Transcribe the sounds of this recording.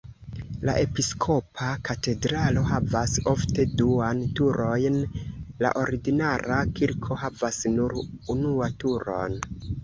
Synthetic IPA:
la̰ʔe̞piskʰo̞pʰakʰate̞dɾalo̞ɦavaso̞fte̞duantuɾo̞jnla̰ʔo̞ɾiɡinaɾakiɾkʰo̞havasnuɾunuatuɾo̞̰n

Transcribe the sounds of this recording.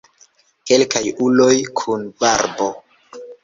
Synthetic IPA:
ke̞lkajulo̞jkʰunbaɾbo

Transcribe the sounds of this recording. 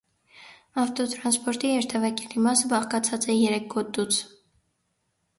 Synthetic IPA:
ɑft̪ɔt̪ɾɑnspɔɾt̪ihɛɾt̪ʰɛvɛkɛlimɑsəbɑχkɑt͡sʰɑt͡sɛjɛɾɛk̚ʰɡɔt̪ːut͡sʰ

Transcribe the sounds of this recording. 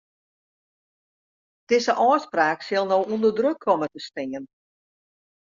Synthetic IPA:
d̥ɪzəʔɔːspraːksɪlˠnowundərdrøkʰːɔmətəstɪŋən

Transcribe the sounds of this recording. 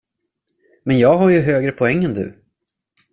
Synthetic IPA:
mɛnjɑːɡɦaɾjɵɦøːɡɾəpʰɔɛŋːɛnd̪ɵ̰

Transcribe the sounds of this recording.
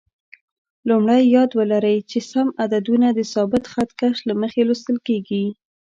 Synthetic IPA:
lumɽajːɑd̪wəlaɾəjt͡ʃesamad̪ad̪unad̪əsɑbɪt̪xat̪kaʃlaməxelust̪əlkeɡi

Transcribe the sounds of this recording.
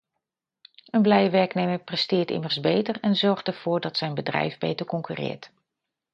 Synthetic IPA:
ənblɛjəʋɛɹknejməɹprɛstɪːɹtɪ̰məɹzbejtərɛnzɔɹχtəɹv̥ʊːɹdɑtsɛjnbədrɛ̰jvbḛjtəɹkɔŋkyrɪ̰ːɹt

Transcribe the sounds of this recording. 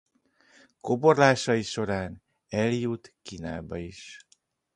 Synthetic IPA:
ko̞borlaːʃɒiʃo̞ɾaːn | ɛljut̪kiːnaːbɒiʃ

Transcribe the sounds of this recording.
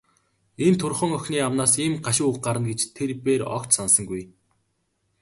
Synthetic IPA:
ent̪ʰʊrχɞ̆ŋœxʲniːamnaːsiːmɢaʃɪ̆ukɢaɾə̆nɡet͡ɕt̪ʰerpeːɾɔ̰kt͡ɕsansə̆ŋɡuj

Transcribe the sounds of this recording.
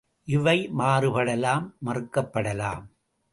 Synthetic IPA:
ʔɪʋɐɪmaːrɯpɐɽɐlaːmːɐrɯkːɐpːɐɽɐla̰ːm

